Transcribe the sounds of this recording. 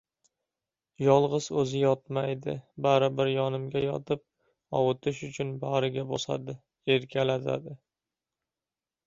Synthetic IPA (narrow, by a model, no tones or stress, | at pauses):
jɒlˠʁɨz̥ɵzɪjɒt̪majd̪ɪ̰baɾɪbɪɾjɒnɪmɡʲajɒ̰t̪ʰɪp̚ | ɒwʊt̪ʰɪʃʊt͡ʃʰʊnbaɾɪɡʲabosa̰d̪ɪ | eɾkʲʰalat̪ʰa̰d̪ɪ